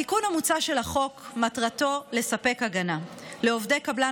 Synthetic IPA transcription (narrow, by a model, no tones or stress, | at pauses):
ikunhamut͡saʃe̞laχo̞kmatʁato̞le̞sape̞kaɡana | leovdejkabla